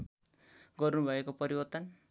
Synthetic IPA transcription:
ɡʌrnubʱʌekopʌɾibʌrt̪ʌn

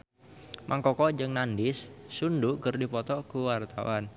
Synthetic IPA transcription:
mʔaŋkɔkɔd͡ʒɨŋnandɪsːundukərdipɔt̪ɔkuwart̪a̰wan

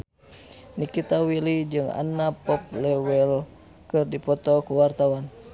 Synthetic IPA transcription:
nikit̪awilid͡ʒɨŋa̰napɔp̚lɛwɛl | kɨrdipɔt̪ɔkuwart̪awan

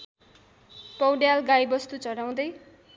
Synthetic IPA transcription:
pʌwɖjalɡajbʌst̪ut͡sʌɽaw̃d̪ʌj

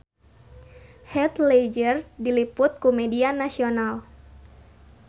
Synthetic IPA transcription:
hɛt̪lɛd͡ʒərdilipʊt̪̚kumɛdianasional

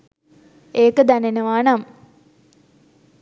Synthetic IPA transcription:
eːkəd̪ænenəʋaːɳam

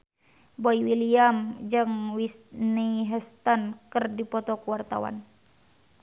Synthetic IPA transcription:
bɔiwiliamd͡ʒəŋwisniɦɛst̪ɔnkɨrdipɔt̪ɔkuwart̪a̰wa̰n

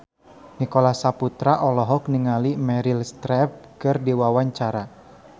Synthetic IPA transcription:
nikolasaput̪ɾaʔɔlɔɦɔkniŋalimɛɾilst̪ɾɛp̚kɨrdiwawaɲt͡ʃaɾa

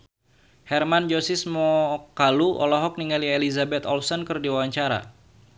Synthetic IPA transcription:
hɛrmand͡ʒosismɔkaluɔ̰lɔɦɔk̚niŋalielizabɛt̪ɔlsɔnkɨrdiwawaɲt͡ʃaɾa̰

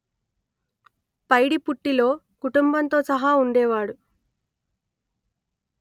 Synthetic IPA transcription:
pɐjɽipuʈːilo̞ː | kuʈumbɐnt̪o̞ːsɐɦaːuɳɖɛːʋaːɽu

